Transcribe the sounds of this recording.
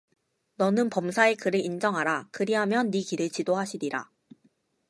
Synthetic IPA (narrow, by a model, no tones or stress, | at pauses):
nʌnɯnpʌmsʰae̞kɯɾɯʔind͡ʑʌŋɦaɾakɯɾiɦamjʌnːikiɾɯɭt͡ɕidoɦaɕʰiɾiɾa̰